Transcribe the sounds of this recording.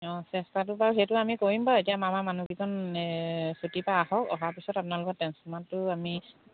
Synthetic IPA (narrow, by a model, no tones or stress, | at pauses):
ɔ̃sɛstatʊpaɹuɦejtʊamikoɹimbaetijamamamanuɡikɔn | sutipaːɦɔkɔ̰ɦapisɔtapʊnalʊkɔt̚ːɛnsumatʊami